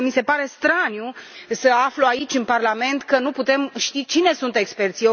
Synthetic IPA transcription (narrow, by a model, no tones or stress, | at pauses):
mise̞paɾe̞st̪ɾanjusəafloait͡ʃʲɨnparlame̞nt̪kənuput̪e̞mʃt̪it͡ʃine̞sunt̪e̞kspe̞rt̪sio